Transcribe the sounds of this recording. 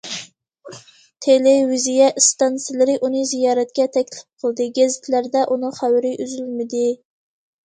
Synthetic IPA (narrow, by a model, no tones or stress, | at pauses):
t̪ʰelɪwɪzijɛst̪ɑnsɪlɪɾɪʔunɨzijɑːɾɛt̪kʲɛt̪ʰɛkʲlɪp̚qʰəlˠd̪ɨɡʲæzɪt̪ʰlæɾd̪ɛʔunɨχæwɾɪʔyzylmɪd̪ɪ